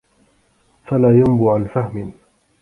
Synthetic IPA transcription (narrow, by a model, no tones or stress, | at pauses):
falaːjambʊʕanfahmɪ